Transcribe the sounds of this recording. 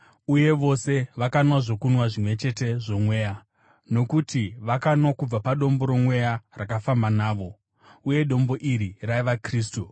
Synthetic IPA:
uje̞ʋo̞se̞ʋakanwaʐo̞kunwaʐimwe̞t͡ʃe̞te̞ʐo̞mwe̞ːja | no̞kutiʋakanwakub͡vapaɗo̞mbo̞ɾo̞mwe̞jarakafambanaːʋo̞ | uje̞ɗo̞mbo̞ʔiɾiraiʋakriːstu

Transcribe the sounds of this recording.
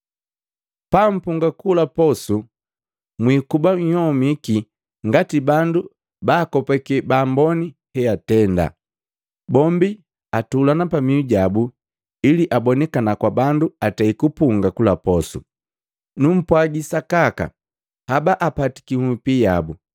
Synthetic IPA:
pam̩puŋɡakulapɔsu | mwikubaɲhɔmiki | ŋɡatibandu | baːkɔpɛkɛbaːmbɔnihɛatɛnda̰ | bɔmbi | atulanapamiuɟabu | iliʔabɔnɛkanakwabanduataikupuŋɡakulapɔsṵ | num̩pwaɟisakaka̰ | habaʔapati̥kimwipijabu

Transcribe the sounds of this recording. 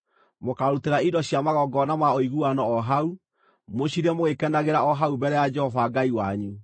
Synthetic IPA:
mokaɾuteɾaidɔɕiamaɣɔɡɔnamaɔiɣuanɔɔɦau | moɕiɾɛmoɣekɛndaɣeɾaɔɦaubɛɾɛjad͡ʒɛhɔfaɡaiwaɲu

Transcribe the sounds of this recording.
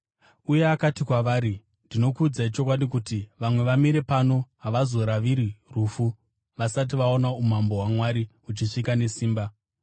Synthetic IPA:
uje̞akatikwaʋaːɾi | ndino̞kud͡zait͡ʃo̞kwaɗikutiʋamwe̞ʋamiɾe̞pano̞ɦaʋazo̞ɾaʋiɾiruːfu | ʋasat̬iʋao̞naumambo̞ɦwamwaɾi | ut͡ʃiʂikane̞siːmba

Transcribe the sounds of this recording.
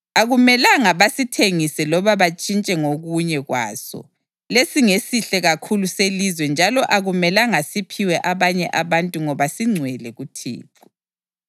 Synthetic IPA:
aɣumɛlaŋaβasitʰeŋisɛlɔβaβat͡ʃʼint͡ʃʼɛŋoɣuɲɛɣwa̰ːsɔ̰ | lesiŋesiɬɛɣakʰuluselizwɛnd͡ʒʱalɔʔaɣumɛlaŋasipʰiwɛʔaβaɲɛʔaβantʼuŋɔβasiŋ͡ǀʱwɛlɛɣutʰḛːǁu̥

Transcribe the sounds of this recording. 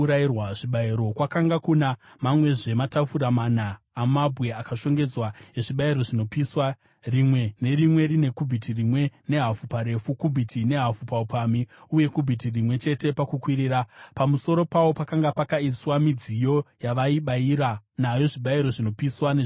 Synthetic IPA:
ɾairwaʐiɓaiɾo̞kwakaŋɡakunamamwe̞ʐe̞matafuɾamanaː | mabʱwe̞akaʃo̞ŋɡe̞d͡zwaeʐiɓaiɾo̞ʐino̞piswa | rimwe̞ne̞rimwe̞ɾine̞kubʱitʰirimwe̞ne̞ɦafupaɾe̞fukubʱitʰine̞ɦafupaupaːmiuje̞kubʱitirimwe̞t͡ʃe̞te̞pakukwiɾiːɾapamuso̞ɾo̞pawo̞pakaŋɡapakaiswamid͡zijo̞jaʋaiɓaiɾanajo̞ʐiɓaiɾo̞ʐino̞piswaneʐ

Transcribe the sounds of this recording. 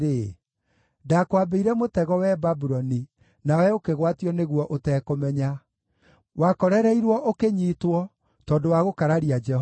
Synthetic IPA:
e | dakwabeiɾɛmotɛɣɔwɛbabuɾɔni | nawɛokeɣwatiɔneɣwɔʔotɛːkomɛɲa | wakɔɾɛɾɛiɾwɔʔokeɲitwɔ | tɔːdowaɣokaɾaɾiad͡ʒɛh

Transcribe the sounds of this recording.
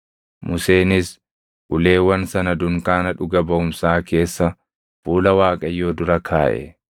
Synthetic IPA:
mʊse̞ːnɪs | ʔʊle̞ːwɐnsɐnɐd̪ʊŋkaːnɐᶑʊɡɐbɐʊmsaːke̞ːsːɐ | fuːlɐwaːkʼɐjːo̞ːd̪ʊɾɐkʰaːʔɛ̰

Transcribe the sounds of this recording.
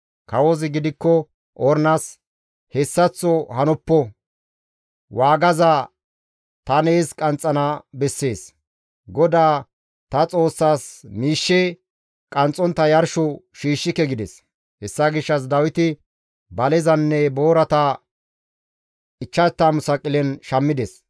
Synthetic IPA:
kɐwozɪɡɪd̪ɪkːɔ | ʔɔɾnas | hɛsːɐt͡sːɔhɐnɔpːɔ | waːɡɐza | t̪ɐneːskʼɐnt͡sʼːɐnabɛsːe̞ːs | ɡɔd̪aː | t̪ɐt͡sʼo̞ːsːaːsmiːʃːɛ | kʼɐnt͡sʼːɔnt̪ːɐjɐɾʃɔʃiːʃːɪkːɛɡɪd̪ɛs | hɛsːɐɡɪʃːɐs̬d̪ɐwɪt̪ɪ | bɐlɛzɐnːɛbo̞ːɾɐt̪a | ɪt͡ʃːɐt̪ːaːmʊsɐkʼːɪlɛnʃɐmːɪd̪ɛs

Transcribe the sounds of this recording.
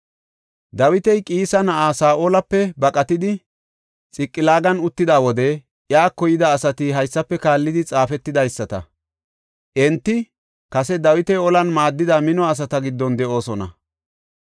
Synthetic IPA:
d̪ɐwɪt̪ɛjkʼiːsɐnɐʔaːsaːʔoːlɐpːɛbɐkʼɐt̪ɪd̪ɪ | t͡sʼɪkʼːɪlaːɡɐnʊt̪ːɪd̪aːwɔd̪ɛ | ʔjaːkɔjɪd̪ɐːsɐt̪ɪɦɐjsːɐpːɛkaːlːɪd̪ɪt͡sʼaːfɛt̪ːɪd̪ɐjsːɐt̪ɐ̰ | ʔɛnt̪ːɪ | kɐsɛd̪ɐwɪt̪ɛjɔlɐnmaːd̪ːɪd̪ɐmɪnɔɐs̬ɐt̪ɐɡɪd̪ːɔnd̪ɛʔo̞ːsɔnɐ̰

